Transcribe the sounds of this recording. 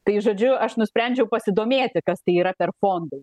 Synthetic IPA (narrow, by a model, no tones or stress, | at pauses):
t̪ɐɪʒoːd͡ʒʲʊɐʃnʊsʲpʲɾʲɛnʲd͡ʒʲɛʊpɐsʲɪd̪oːmʲeːt̪ʲɪkɐst̪ɐɪiːɾɐpʲɛrfoːnd̪ɐː